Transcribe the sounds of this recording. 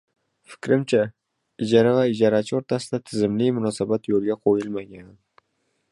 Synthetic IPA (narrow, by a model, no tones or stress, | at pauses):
fɪ̥kʲɾɪmt͡ʃʰa | ɪd͡ʒaɾavaɪd͡ʒaɾat͡ʃʰɪoɾt̪ʰasɪd̪at̪ʰɪzɪmlɪjmʊnɒsabat̪jolˠɡʲaqʰojɪlˠmaɡʲan